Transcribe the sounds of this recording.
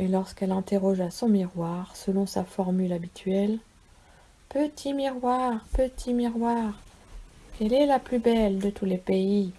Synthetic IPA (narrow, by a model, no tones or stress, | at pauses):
elɔʁskɛlɛ̃t̪eʁɔʒasɔ̃miʁwaʁsəlɔ̃safɔʁmylabit̪ʰɥɛl | pət̪ʰimiʁwaʁpət̪ʰimiʁwaʁ | kɛlɛlaplybɛld̪ət̪ʰulepei